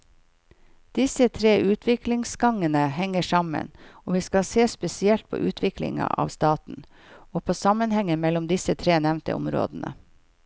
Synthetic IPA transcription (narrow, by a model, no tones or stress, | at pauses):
d̪̥ɪsət̪ʰɾeːʔʉːt̪ʰʋɪklɪŋsɡɑŋənəhɛŋːəʂɑmə̰noːʋiːskɑseːspɛsɪɛlt̪̚pʰo̰ːʔʉːt̪ʰʋɪklɪ̰ŋɑ̰ʔɑ̰ːʋst̪ɑːt̪n̩ | oːpʰoːsɑmənhɛŋəmɛlʊmd̪ɪsət̪ʰɾeːnɛʋnt̪ə̰ʔʊ̰mɾo̰ːd̪n̩ʔə̰